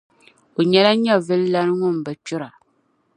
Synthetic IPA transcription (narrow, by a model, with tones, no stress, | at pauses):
o˨ɲɛ˦la˦ɲɛ˦˨vɨ˦lla˦ɾŋʊ˦m̩˨bɨ˨t͡ʃʊ˦ɾa˨